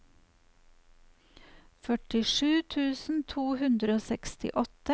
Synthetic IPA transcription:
fœʈɪʃʉːt̪ʰʉːsn̩t̪ʰuːhʉnd̪ɾəoːsɛkst̪ɪ̰ʔɔt̪ə

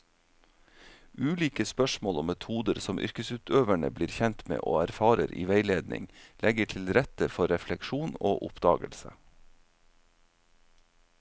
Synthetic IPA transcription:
ʉːliːkəspœʃmoːlʊmːɛt̪ʰuːd̪əɾsɔmʔʏ̰ɾkəsʉːt̪ʰøːʋæɳə̰bliːɾçɛnt̪mḛːʔo̰ːæɾfɑːɾəɾʔḭːʋeɪleːd̪nɪ̰ŋlɛɡəʈʰɪlɾɛt̪əfɔɾɛflɛkʃuːno̰ːʔʊpd̪ɑ̰ːɡə̰lsə̰

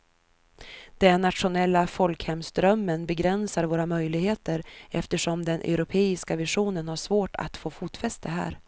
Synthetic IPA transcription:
d̪̥ɛnːat̪ɧʊnɛlːafɔlkhɛmsd̪ɾœmːənbɛɡɾɛnsaɾvoːɾamœjlɪɡheːt̪əɾɛft̪əʂɔmd̪ɛnʔɛ̰ʊɾʊpʰeːɪskavɪʂuːnənhaʂvoːʈʰa̰t̪foːfuːt̪fɛst̪əɦæ̰ːɾ

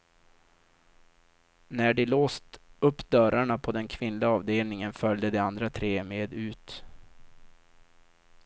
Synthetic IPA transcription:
næɖɪloːst̪ɵpːd̪œɾaɳapʰɔd̪ɛnkʰvɪnlɪɡaɑːvd̪eːlnɪŋənfœld̪əd̪ɛand̪ɾat̪ʰɾeːmeːd̪ʉ̟ːt̪

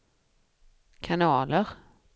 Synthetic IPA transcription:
kʰanɑːləɾ

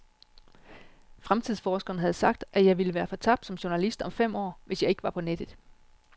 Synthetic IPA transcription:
fʁamt͡sʰiðˠsfɒːsɡ̥ɐːnəɦæð̞̩ˠsɑ̈ɡ̥̚d̥ʔæjɑ̈ɪʋiləʋæːɐfɒ̽t͡sʰɑ̈b̥̚d̥sɒ̽mɕo̝nælisd̥ɒ̽mfem̰ɒ̰ːʋe̝sjɑ̈ɪe̝ɡ̥əʋɑ̈pʰɒ̽ned̥ð̩ˠ

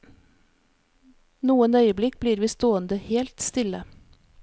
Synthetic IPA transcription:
nuːənœʏəblɪk̚bliːɾʋiːst̪oːənd̪əheːlt̪st̪ɪlə

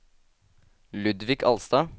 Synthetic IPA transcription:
lʉd̪ʋɪkʰɑ̰lst̪ɑː

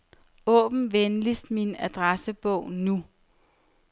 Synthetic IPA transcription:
ɔ̰̽ːb̥n̩ʋenlisd̥minæd̥ʁasəb̥ɔʊ̰nu

